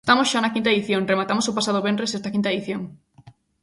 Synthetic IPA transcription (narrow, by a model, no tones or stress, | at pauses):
st̪amosʃanɐkint̪̬aeðiθjoŋremat̪amosopasað̞oβenresɛst̪ɐkĩnt̪aeðiθjoŋ